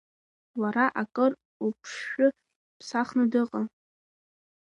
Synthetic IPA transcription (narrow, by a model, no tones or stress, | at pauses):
waɾaʔakʼɨr | upʰʂʊ | pʰsaχnɨdɨqʼa